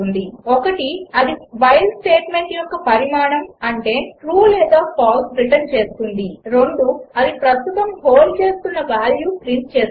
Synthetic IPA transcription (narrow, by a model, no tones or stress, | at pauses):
und̪iɔkɐʈiɐd̪iʋɐjlsʈe̞ːʈme̞ɳʈjɔkːɐpɐɾimaːɳɐmɐɳʈe̞ːʈɾuːlɛːd̪aːpʰaːlsɾiʈɐnt͡ʃe̞ːst̪und̪iɾoɳɖuɐd̪ipɾɐst̪ut̪ɐmɦoːlt͡ʃe̞ːst̪unːɐʋaːljuːpɾint̪̚t͡ʃeː